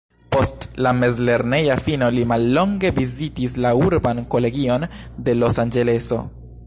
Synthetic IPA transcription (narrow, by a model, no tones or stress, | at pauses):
po̞stlame̞zle̞ɾne̞jafino̞limalːo̞ŋɡe̞vizitis̬lauɾbanko̞le̞ɡio̞nde̞lo̞sand͡ʒe̞le̞so̞̰